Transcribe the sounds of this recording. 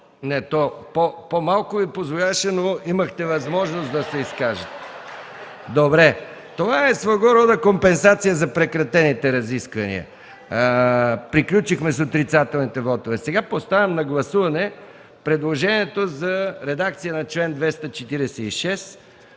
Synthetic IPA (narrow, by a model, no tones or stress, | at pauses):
nɛt̪ɔpopomalˠkʊvipozvolʲaʃɛnoimɐxt̪ɛvɐzmɔʒnosd̪ɐsɛiskaʒət̪ɛ | d̪obɾɛ | t̪ovaɛsvɐɡɔɾɔd̪ɐkompɛnsat̪sijəzɐpɾɛkɾɐt̪ɛnit̪ɛɾɐziskvɐnḭə̰ | pɾiklʲut͡ʃixmɛsot̪ɾit̪sat̪ɛlˠnit̪ɛvɔt̪ovɛsɛɡapost̪avʲɛmnɐɡlˠɐsuvɐnɛ | pɾɛd̪lˠoʒɛniɛt̪ozɐɾɛd̪ak̚t̪sijənɐt͡ʃlɛnd̪vɛst̪ət͡ʃɛt̪iɾɛsɛiʃɛs